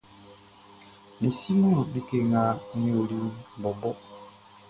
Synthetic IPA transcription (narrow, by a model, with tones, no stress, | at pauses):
mi˨si˦mu˦˨bi˦ke˦ŋa˦ni˦o˨li˦˨bɔ˨bɔ˦